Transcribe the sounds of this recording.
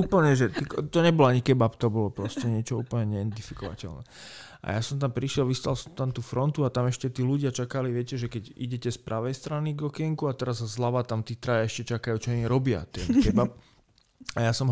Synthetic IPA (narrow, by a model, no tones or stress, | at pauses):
uːpl̩ɲɛʒɛt̪ikt̪ɔɲɛbɔlaɲikɛbapt̪ɔbɔlɔpɾɔscɛɲɪɛt͡ʃɔuːpl̩ɲɛɲɛɛnt̪ifi̥kɔʋa̰cɛ̰lnɛ̰ | ʔa̰jasɔmt̪ampɾiʃɪɛlʋist̪alsɔmt̪amt̪uːfɾɔnt̪uat̪amɛʃcɛt̪iːluɟɪat͡ʃakaliʋɪɛcɛʒɛkɛɟḭɟɛcɛspɾʔaʋɛjst̪ɾaniɡɔkɛŋkuat̪ɛɾazazlaʋat̪amt̪iːt̪ɾajaɛʃcɛt͡ʃakajut͡ʃɔɔɲiɾɔbɪa̰t̪ɛnkɛbap̚ | ajasɔm